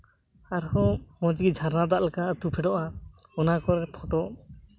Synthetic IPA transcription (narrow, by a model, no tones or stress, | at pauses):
aɾhɔmɔ̃d͡ʒɡid͡ʒʱaɾnad̪aʔlɛkaʔət̪upʰɛɖɔʔa | ɔnakɔɾɛɾpʰɔʈɔʔ